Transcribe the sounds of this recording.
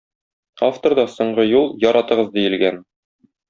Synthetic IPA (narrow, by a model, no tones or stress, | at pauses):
aft̪oɾd̪ɑsŏɴɢɤjulˠjɒɾɑt̪ɤ̆ʁɤzd̪ijɘ̆lɡæn